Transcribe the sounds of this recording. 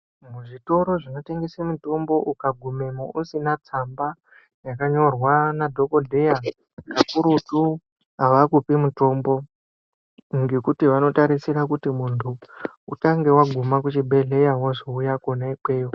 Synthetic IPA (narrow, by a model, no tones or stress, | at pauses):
muʐito̞ɾoʐino̞te̞ŋɡesemito̞mbo̞ʔukaɡʱume̞mousinat͡samba | jakaɲo̞rwanadʱo̞ko̞dʱe̞ja | kapuɾutu | ɦaʋakupimuto̞mbo̞ | ŋɡe̞kutiʋano̞taɾisiɾakutimuntʰuutaŋɡe̞waɡʱumak̬ut͡ʃibʱe̞ɮe̞jawaʐoujakonaikwe̞ːjo